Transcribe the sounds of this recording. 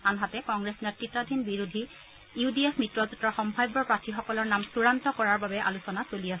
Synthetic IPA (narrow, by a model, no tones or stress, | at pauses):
anɦatɛkɔŋɡɹesnɛtitadʱinbiɹudʱi | judiesmitɹɔzutɹɔxɔmbʱajbɔɹpatʰixɔkɔlɔɹnamsuɹantɔkɔɹaɹbabɛʔa̰lusɔnasoliasɛ